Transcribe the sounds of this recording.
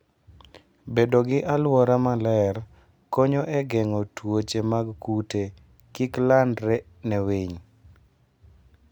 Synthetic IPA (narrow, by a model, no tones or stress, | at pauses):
bedoɡɪʔalwɔɾamalɛr | koɲoʔɛɡɛŋɔtwot͡ʃemaɡkute | kiklandɾɛ | nɛweɲ